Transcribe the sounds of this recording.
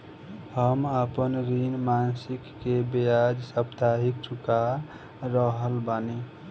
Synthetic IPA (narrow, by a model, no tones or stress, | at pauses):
həmapənɾinmansikːebejad͡ʒsəpt̪aɦik̚t͡ʃʰuka | ɾəɦəlbani